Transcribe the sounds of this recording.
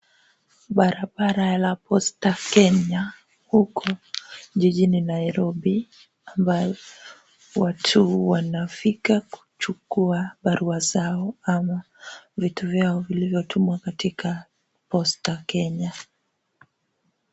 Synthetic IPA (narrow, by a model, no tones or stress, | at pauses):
ɓaɾaɓaɾalapɔstakɛɲa | hukʰɔʄiʄininaiɾɔɓi | ambajɔ | watʰuwanafikaku̥t͡ʃukuaɓaɾʔuazaɔama | vituvjaɔvilivjɔtʰumwakatikʰa | pɔstakɛɲa